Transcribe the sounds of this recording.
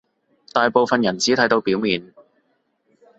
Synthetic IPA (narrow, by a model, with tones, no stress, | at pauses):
t̪aː˨jpo˨wfɐ˨njɐ˨˩nt͡siː˨˥t̪ʰɐ˨˥jt̪o˧wpiː˨˥wmiː˨˧n